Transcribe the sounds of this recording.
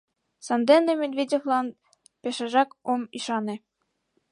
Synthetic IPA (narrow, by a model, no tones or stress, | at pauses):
sɑnd̪enːemed̪vʲedʲevlɑn | peʃɑʒɑkomiʃɑnĕ